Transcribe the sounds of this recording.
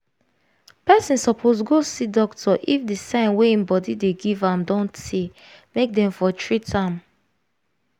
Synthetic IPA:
pɛsĩnsɔpʰos̬ɡosidɔktʰɔʔifdisãɪ̃nweĩmbɔdideɡivãmdɔ̃ntʰe | mek̚dɛ̃ɱfɔtʰɹitʰãm

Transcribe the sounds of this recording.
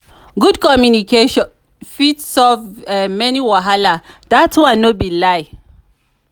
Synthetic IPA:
ɡudkɔmjunikeʃɔ̃n | fitsɔvɛmɛniwaɦalad̥atwãnːobilaj

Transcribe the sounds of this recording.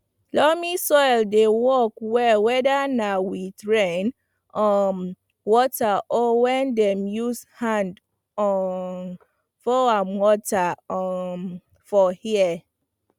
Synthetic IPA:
lɔmisɔjldewɔkwɛlwɛdanawiθɹẽn | ɔ | wɔtaʔɔwɛ̃ndɛ̃mjushãnd | ɔn | fɔamwɔta | fɔhiɛ

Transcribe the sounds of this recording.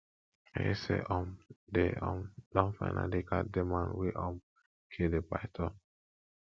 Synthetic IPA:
esḛʔɔmdeɔ̃mdɔ̃nfanʔa̰dekademãnweʔɔ̃m | kʰedepajtʰɔ̃n

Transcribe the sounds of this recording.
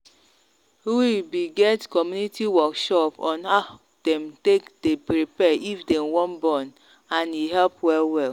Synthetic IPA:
uwibiɡɛtkɔmjunitiwɔkʃɔpɔ̃nha | d̥ɛ̃mtekdepɾipɛʔifdɛmwɔ̃nbɔn | ãniɦɛlpwɛlwɛl

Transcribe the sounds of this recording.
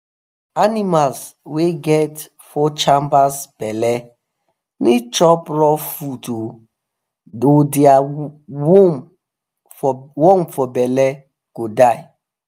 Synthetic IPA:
animalsweɡɛt | fɔt͡ʃãmbasb̥ɛlɛ | nit͡ʃɔpɹɔfuto | odiawom | wõmfɔbɛlɛ | ɡ̥odaj

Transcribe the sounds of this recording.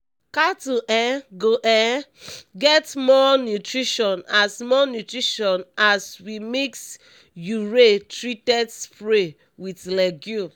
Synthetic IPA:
katuʔɛ̃ɡoʔɛɡɛtmɔnjutɹiʃɔ̃nasmɔnjutɹiʃɔ̃naswimeks | juɹetɹitɛdfɹe | witlɛɡju

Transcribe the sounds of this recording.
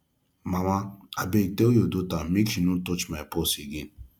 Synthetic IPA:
mamaabeteojodotamikʃinũtot͡ʃmaposeɡin

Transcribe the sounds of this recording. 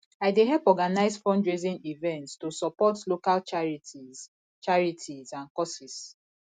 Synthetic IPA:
aɪdeɦɛlpɔɡanaɪzfɔ̃nd͡ʒɹezĩnivɛ̃ntstusɔpɔtlokalt͡ʃaɹiti | t͡ʃaɹitʰizãnkɔsis

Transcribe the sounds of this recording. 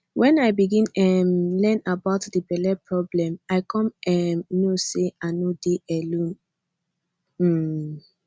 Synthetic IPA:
wʔɛ̃naɪbiɡĩnɛmlɛ̃nabaʊtdəbɛlɛpʰɹɔblɛ̃maɪkʰɔ̃mɛmnoseanodeʔɛlõn | m̩

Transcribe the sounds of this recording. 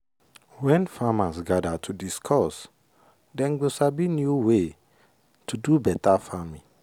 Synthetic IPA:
wɛ̃nfamasɡadatʰudiskʰɔs | dɛ̃nɡosabinjuwe | tʰudubɛtafamĩ

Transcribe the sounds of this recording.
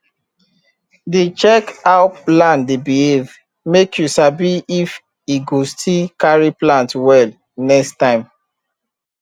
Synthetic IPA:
det͡ʃɛkaʊplãndebihev | mekjusabiif | iɡostʰikaɹiplãntwɛl | nɛkstãɪ̃m

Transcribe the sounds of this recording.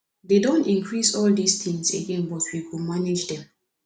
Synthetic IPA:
dedõntĩŋkɹisɔld̪ist̪ʰĩŋsḛɡẽnbɔtʰwikumaned͡ʒdɛ̃m

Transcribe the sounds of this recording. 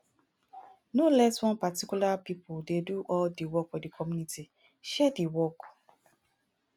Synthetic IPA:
nolɛswɔ̃npatikjulapipodeduʔɔldiwɔkfɔdikʰɔmjunitʰi | ʃɛdiwɔk

